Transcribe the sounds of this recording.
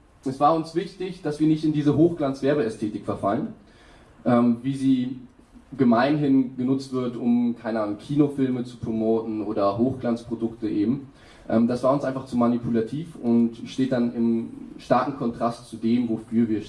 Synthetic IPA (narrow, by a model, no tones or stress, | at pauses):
ʔɛsv̥aːɐʊnsv̥ɪçtɪçd̥asv̥iːɐnɪçtɪndiːzəɦoːxɡ̥lant͡sv̥ɛɐbəɛstʰeːtɪkfɛɐfalən | ʔɛːmviːziː | ɡəmaɪnɦɪnɡ̥ənʊt͡stv̥ɪɐtʊmkʰaɪnəʔaːnʊŋkʰiːnofɪlmət͡su̥pʁ̥omoːtn̩ʔoːdɐɦoːxɡ̥lant͡spʁ̥odʊktəʔeːbm̩ | ʔɛ̰ːmd̥asv̥aːɐʊnsʔaɪnfaχt͡sumanipʰulatʰiːfʊntʃteːt̚d̥anɪmʃtaɐkŋ̩kʰɔntʁ̥astt͡sudeːmvoːfyːɐviːɐʃ